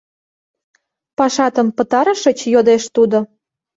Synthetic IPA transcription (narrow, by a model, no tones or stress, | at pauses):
pɑʃɑt̪əmpə̆t̪ɑɾə̆ʃə̆t͡ɕjod̪eʃt̪ud̪o